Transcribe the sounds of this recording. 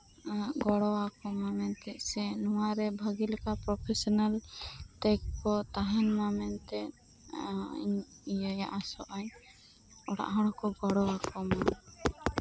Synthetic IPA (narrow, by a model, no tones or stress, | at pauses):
ɡɔɽɔwakɔmamɛnt̪ɛʔsɛnuwaɾɛbʱəɡilɛkapɾɔpʰɛsɔnalʈɛk̚kɔt̪aɦɛnmamɛnt̪ɛ | ḭɲ | ijajaʔasɔʔaɲ | ɔɽa̰ʔɦɔ̃ɽɔkɔɡɔɽɔwakɔma